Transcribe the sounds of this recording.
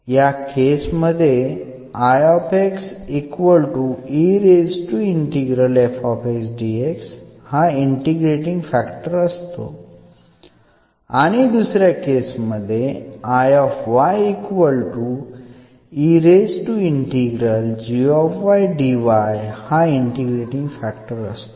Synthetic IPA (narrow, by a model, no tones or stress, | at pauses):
jakesməd̪ʱːje | ajɔpeksikʋəlʈuiɾed͡zʈuiɳʈiɡɾəlefɔpeksɖiekshaiɳʈiɡɾeʈiŋɡfækʈəɾəst̪o̰ | aɽ̃id̪usɾjakesməd̪ʱːjeajɔfʋajikʋəlʈu | iɾezʈuiɳʈiɡɾəld͡ʑiɔfʋajɖiʋajhaiɳʈiɡɾeʈĩŋɡfækʈəɾəst̪o